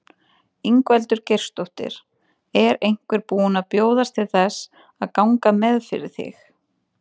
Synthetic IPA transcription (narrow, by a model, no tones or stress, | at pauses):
iŋkvɛlt̪ʏɾ̥cejr̥st̪owht̪ɪ̰ɾ̥ | ɛɾejŋ̥kvɛɾpuːʏnapjoːwðast̪ʰɪlθɛs | aðkawŋkamɛðfɪ̰ɾɪ̥θɪ̰x